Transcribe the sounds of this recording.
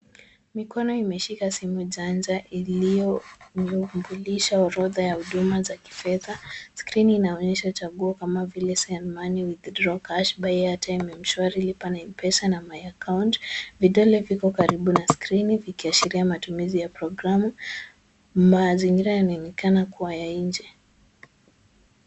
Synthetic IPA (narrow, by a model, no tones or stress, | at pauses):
mikɔnɔimɛʃikasimuʄand͡ʒaʔiliɔumbuliʃaɔɾɔðajahuɗumazaki̥fɛðaskɾiniːnaɔɲɛʃaut͡ʃaɠuɔkamavilɛsɛanmaniwiðdɾɔkaʃɓajɛatʰajmɛm̩ʃwaɾilipanaimpɛsanamajakawntviɗɔlɛvikɔkaɾiɓunaskɾinivikiaʃiɾiamatumizijapɾɔɡɾamu | maziŋɡiɾajanainɛkanakuwajaiɲd͡ʒɛ